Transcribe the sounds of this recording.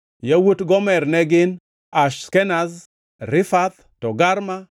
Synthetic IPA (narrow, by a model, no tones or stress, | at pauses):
jawutɡɔmɛrnɛɡɪn | aʃskɛnaz | ɾɪfat̪ | tɔɡaɾma